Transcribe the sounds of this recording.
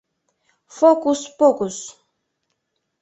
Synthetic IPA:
fokuspɔkus

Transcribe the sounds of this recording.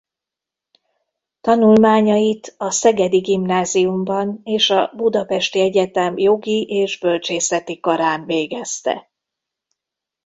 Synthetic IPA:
t̪ɒnulmaːɲɒjit̪ɒsɛɡɛd̪iɡimnaːzijumbɒneːʃɒbud̪ɒpɛʃt̪iɛɟɛt̪ɛmjo̞ɡiʔeːʒbø̞lt͡ʃeːsɛt̪ikɒɾaːnveːɡɛst̪ɛ̰

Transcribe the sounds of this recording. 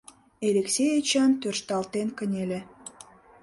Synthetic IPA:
eleksʲejet͡ɕɑnt̪ørʃt̪ɑlt̪enkə̆nʲelʲe

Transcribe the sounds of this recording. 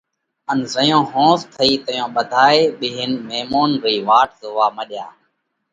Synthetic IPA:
ənzəjõːɦõːst̪ʰəiːt̪əjõːɓəd̪ʱaːeːɓɪːɦɪnmeːmoːnɾiːʋaːʈ̚zoːʋaːməɗja̰ː

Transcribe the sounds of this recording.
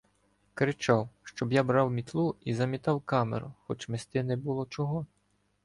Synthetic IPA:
kɾɪt͡ʃɑwʃt͡ʃɔbjabɾɑwmʲit̪lˠuizɐmʲit̪ɑwkɑmḛɾʊxɔt͡ʃmest̪ɪnɛbʊlˠɔt͡ʃɔɦɔ

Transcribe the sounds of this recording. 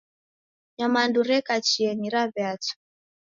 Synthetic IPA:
ɲamanduɾɛkat͡ʃiɛniɾaβɛat͡sɔ̥

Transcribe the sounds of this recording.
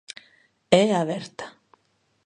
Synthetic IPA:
ɛavɛɾ̥t̪ḁ

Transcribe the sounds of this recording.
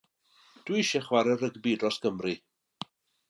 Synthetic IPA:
d̥wiiʃɛχwaɾɛrəɡbidrɔsɡ̥əmri

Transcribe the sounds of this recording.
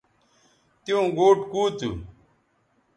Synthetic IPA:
t̪ijõːɡoːʈkuːt̪ṵ

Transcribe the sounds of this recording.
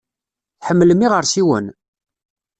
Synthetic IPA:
θħəmːələmːiʁəɾsiwə̰n

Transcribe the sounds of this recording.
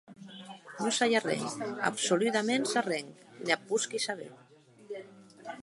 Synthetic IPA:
nosajarɛ̰ŋa̰psolut̪amensareŋknapːuskisaβḛ

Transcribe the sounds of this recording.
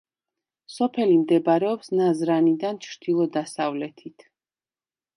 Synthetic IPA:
sɔpʰɛlimd̪ɛbaɾɛɔpsnazɾanid̪ant͡ʃʰɾd̪̥ilˠɔd̪asavlɛt̪ʰit̪ʰ

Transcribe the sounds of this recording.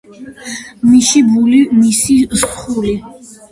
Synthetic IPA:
miʃibulimisizχuli

